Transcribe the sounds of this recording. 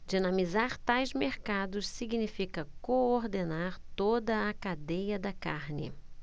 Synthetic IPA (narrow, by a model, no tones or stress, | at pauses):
d͡ʒinɐ̃mizaɾt̪ajzmeɾkad̪ʊssiɡnifikɐkooɾd̪enaɾt̪od̪ɐːkad̪ejɐd̪ɐkaɾnɪ̰